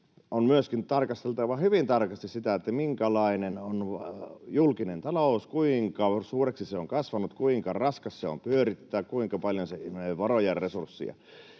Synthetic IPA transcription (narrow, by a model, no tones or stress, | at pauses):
onmyøskint̪ɑrkɑst̪elt̪ɑʋɑhyʋint̪ɑrkɑst̪issit̪æet̪ːæmiŋkælɑinenonjulkinent̪ɑloˑuskuiŋkɑsuːreksiseoŋkɑsʋɑnut̪kuiŋkɑrɑskɑsseo̰mpyøɾit̪ːæːkuiŋkɑpɑljonsenoʋɑrojɑrːesursːḭɑ̰